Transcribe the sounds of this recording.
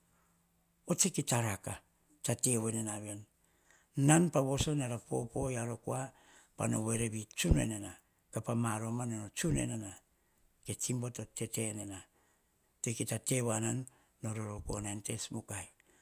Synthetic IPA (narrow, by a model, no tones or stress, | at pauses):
ot͡ʃekitaɾaka | tate̞wenenaβenː | anpaβo̞so̞naɾapo̞̰po̞jaɾo̞kua | pa̰no̞̰βe̞ɾeβit͡ʃunḛnena | kapamaɾo̞manonot͡ʃune̞̰nena | ke̞t͡ʃimbotote̞te̞nena | tekitate̞wananː | o̞ɾo̞ɾokuonante̞smukaj